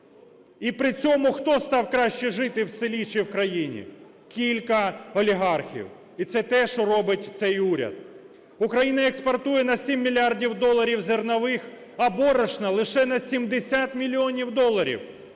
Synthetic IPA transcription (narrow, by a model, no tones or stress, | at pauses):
ipɾɪt͡sʲɔmʊxt̪ɔst̪ɑwkɾɑʃt͡ʃɛʒɪt̪ɪwsɪlʲit͡ʃiwkɾɐjinʲḭ | kʲilʲkɐɔlʲiɦɑrxʲḭw | it̪sɛt̪ɛʃt͡ʃɔrɔbɪtʲt̪sɛjuɾʲɐ̰d̪ | ʊkɾɐjinɐekspɐrt̪ujɛnɐsʲimʲːilʲɑrdʲiwd̪ɔlˠːɐɾʲiwzernɐʋɪx | ɐbɔɾɐʃnɐlˠɪʃɛnɐsʲimd̪esʲat̪mʲilʲːiɔnʲiwd̪ɔlˠːɐɾʲḭw